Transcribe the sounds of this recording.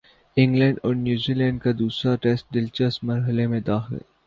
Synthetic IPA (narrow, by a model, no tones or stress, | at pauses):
ɪ̃ŋɡlɛ̃ːɳɖɔːɾnjuːzilɛ̃ːɳɖkad̪uːsɾaʈeːsʈ̚ɖɪlt͡ʃəsmɐɾɦəlemẽd̪aːxɪ̰l